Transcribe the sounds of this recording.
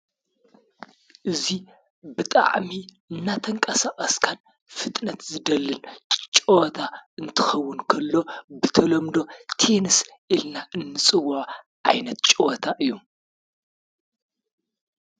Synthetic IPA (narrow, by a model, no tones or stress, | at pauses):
ʔɨzi | bɨt̪ʼa̰ʕmi | ɨnːat̪ʰɐŋkʼɐsaχʼɐskʰan | fɨt̪ʼnɐt̪zɨd̪ɐlːɨnt͡ʃʼowt̪ʰaɨnt̪ʰɨxɐwːʊnkʰɐlːo̞bɨt̪ʰɐlɐmd̪o̞t̪ʰe̞nɨsʔilnaʔɨnːɨt͡sʼɨwːʊʕ | ʕa̰jnɐt̪t͡ʃʼowɐt̪ʰaʔɨjːum